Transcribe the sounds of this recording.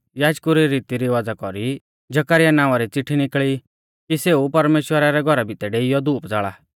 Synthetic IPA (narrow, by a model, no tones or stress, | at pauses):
jaːd͡ʒkuɾiɾiːt̪iɾiʋad͡zakɔɾi | d͡ʒɐkaɾɪjanãːʊ̃aɾit͡sɪʈʰːinɪkɭi | kiseupɐɾmeːʃwəɾaɾɛɡʱɔɾabʱit̪ɛɖeːɪjɔd̪uːpd͡zaːɭaː